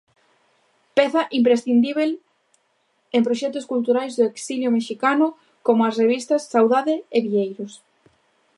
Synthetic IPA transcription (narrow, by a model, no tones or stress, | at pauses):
peθɐʔimpɾesθind̪iβ̞el | empɾoʃɛt̪ʊskult̪uɾajzðoeksiljomeʃikanʊ | komʊasreβist̪ɐsːawðaðeeβiʎejɾʊs